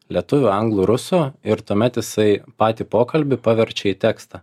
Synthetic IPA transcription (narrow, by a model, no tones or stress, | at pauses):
lʲiɛt̪ʊʋʲʊɐŋɡlˠuːɾʊsoːɪɾt̪uɔmʲɛt̪jɪsɐɪpɑːt̪ʲiːpoːkɐlʲbʲɪpɑʋʲɛɾʲt͡ʃʲɛiːt̪ʲæːkst̪ɑ